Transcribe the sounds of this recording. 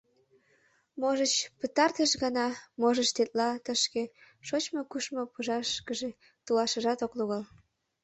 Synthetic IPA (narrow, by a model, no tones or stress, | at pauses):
moʒət͡ɕpət̪ɑrt̪əʃɣənɑmoʒət͡ɕt̪et̪lɑt̪əʃke | ʃot͡ɕmokuʃmopuʒɑʃkəʒe | t̪ulɑʃəʒɑt̪okluɣəl